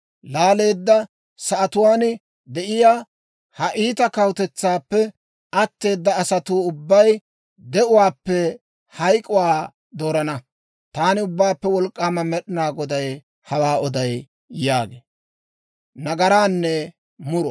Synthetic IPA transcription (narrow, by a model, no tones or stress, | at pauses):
laːle̞ːd̪ːɐ | sɐʔɐt̪ʊwaːn | d̪ɛʔɪjaː | hɐʔiːt̪ɐkɐwt̪ɛt͡sːaːpːɛ | ɐt̪ːe̞ːd̪ːɐːsɐt̪uːʊbːɐj | d̪ɛʔʊwaːpːɛ | hɐjkʼʊwaː | d̪o̞ːɾɐnɐ | t̪aːnɪʊbːaːpːɛwɔlkʼːaːmɐmɛɗɪnaːɡɔd̪ɐj | hɐwaːɔd̪ɐj | jaːɡeː | nɐɡɐɾaːnːɛ | mʊɾɔ